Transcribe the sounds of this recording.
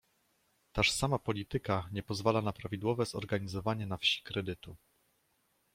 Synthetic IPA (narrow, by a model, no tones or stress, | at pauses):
t̪aʂsamapɔlʲit̪ɘkaɲɛpɔzvalanapɾavʲid̪wɔvɛzɔ̰ɾɡaɲizɔvaɲɛnafɕi̥kɾɛd̪ɘt̪u